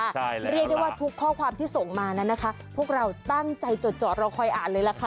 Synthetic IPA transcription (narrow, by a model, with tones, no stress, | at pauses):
a˩˧ɾi˥˩k̚djwaː˥˩t̪ʰu˦˥kʰːɔː˥˩kʰwaː˧mt̪ʰiː˥˩so˨˩ŋmaː˧na˦˥nːa˦˥kʰa˦˥ | pʰu˥˩ək̚ɾa˧wt̪a˥˩ŋt͡ɕa˧jt͡ɕo˨˩t̪̚t͡ɕɔː˨˩t̪̚ɾa˧wkʰɔ˧jʔaː˨˩nlɤː˧jla˨˦˩kʰa˦˥